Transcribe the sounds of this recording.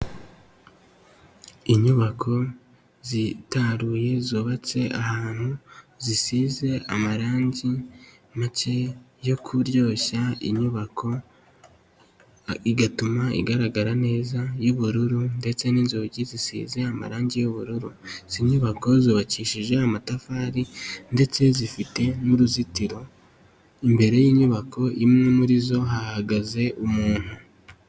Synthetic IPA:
iɲuβakʰo̞ | zitaɾuːje̞zoːβat͡se̞ʔahaːn̥huzisize̞ʔamaɾaːɲɟi | mat͡ʃe̞ | jo̞kʰuɾɟo̞ːçaḭɲuβakʰo̞ | iɡatumaḭɡaɾaɡaɾane̞ːzajuβuɾuɾunde̞t͡se̞ninzoɟizisḭːze̞ama̰ɾaːɲɟejuβuɾuɾuz̥iɲuβako̞ziβaciːʃiʒe̞amatafaːɾinde̞t͡se̞zifite̞nuɾuzitiɾo̞ | imbe̞ɾe̞jiːɲuβakʰo̞imŋemuɾizo̞ɦahaɡaze̞ʔumuːn̥hu

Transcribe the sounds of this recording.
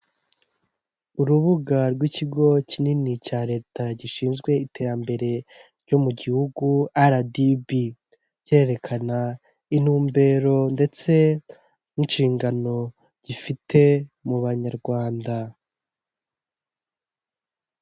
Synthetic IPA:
uɾuβuɡaɾɡwiciɡo̞cininicaːɾe̞ːtaɟiʃiːnzɡwe̞ite̞ːɾambe̞ɾe̞ɾɟo̞muɟihuɡuaɾadibi | ɾɟe̞ɾe̞kʰana | inuːmbe̞ːɾo̞nde̞t͡se̞ | niʃiːŋɡano̞ | ɟ̥ifite̞muβaɲaɾɡwaːnda

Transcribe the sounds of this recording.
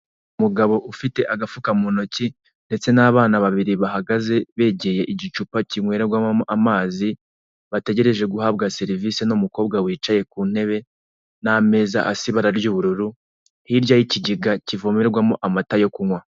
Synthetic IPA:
umuɡaβo̞ʔufite̞ʔaɡafukamunoci | nde̞t͡se̞naːβaːnaβaβiɾiβaɦaɡaze̞βe̞ɟe̞je̞ʔiɟit͡ʃupaciŋwe̞ɾeɾɡwamamoʔamaːzi | βate̞ɟe̞ɾe̞ʒe̞ɡuhaːbɡase̞ɾivise̞numuko̞ːbɡawiːt͡ʃaje̞kuːn̥he̞βe̞ | name̞za̰ʔasiβaɾaɾɟuːβuɾuɾu | hiɾɟajiciɟiɡacivomeɾɡwamoʔamatajo̞kuŋwa

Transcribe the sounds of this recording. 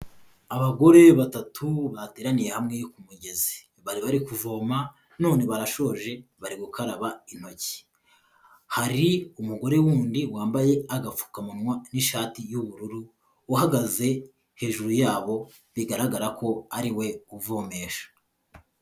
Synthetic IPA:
aβaɡo̞ɾe̞βatatʰuβateːɾanijehamŋejikumuɟe̞zi̥ | βaɾiβaɾikuvo̞ːma | no̞ːne̞βaɾaʃo̞ʒe̞βaɾiɡukaɾaβain̥ho̞ci̥ | haɾiumuɡo̞ɾe̞wuːndiwaːmbaje̞aɡafu̥kamunŋwaniʃaːtijuβuɾuɾuː | haɡaze̞ | he̞ːʒuɾujaːβo̞ | βiɡaɾaɡaɾako̞aɾiwe̞uvo̞ːme̞ːʃḁ

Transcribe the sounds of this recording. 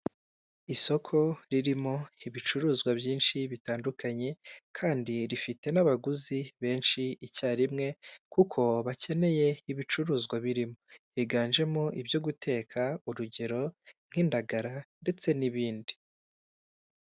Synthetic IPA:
iso̞kʰo̞ɾiɾimo̞iβit͡ʃuɾuːzɡwabjiːnʃiβitaːndukʰaɲe̞kʰaːndiɾifite̞naβaɡuziβe̞ːnʃiicaːɾimŋe̞kukʰo̞βace̞ne̞je̞iβit͡ʃuɾuːzɡwaβiɾimo̞hiɡaːnʒe̞moʔibjo̞ɡutʰe̞ːkʰauɾuɟe̞ɾo̞mhiːndaɡaɾande̞t͡se̞niβiːndi

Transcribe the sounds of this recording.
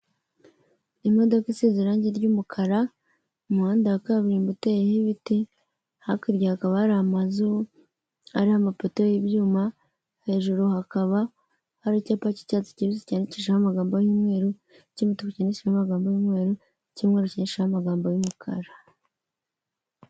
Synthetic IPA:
imo̞do̞kisiziɾaːɲɟeɾɟumukʰaɾa | muhaːndakaβiɾimbutejehiβiti | hakiɾɟahakaβahaɾihamazu | aɾihamapoteojibjuːma | he̞ʒuɾuhakaβa | haɾacaːpaci̥caːt͡si̥ciɾizicaniciʃahamaɡaːmbojimŋe̞ːɾu | cimitokocineʃiahamaɡaːmbojuːmŋe̞ːɾu | cimŋeːɾuciniʃahamaɡaːmbojumukʰa̰ɾa

